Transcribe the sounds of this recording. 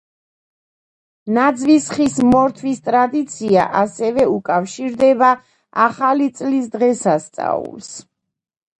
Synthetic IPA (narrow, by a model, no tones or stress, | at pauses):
nad̪zvisχismɔɾt̪ʰvist̪ʼɾad̪it̪sʰia̰ʔasɛvɛukʼafʃiɾd̪ɛba | aχalit̪sʼlis̬d̪ʁɛsast̪sʼa̰ṵlˠs